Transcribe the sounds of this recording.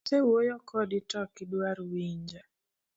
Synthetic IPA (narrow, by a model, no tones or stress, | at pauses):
sewojɔkɔditɔkidwaɾwiɲd͡ʒa